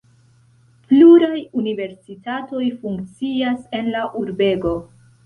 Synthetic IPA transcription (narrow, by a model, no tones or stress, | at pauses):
pluɾajunive̞ɾsitato̞jfuŋkt͡siase̞nlaʔuɾbe̞ɡo̞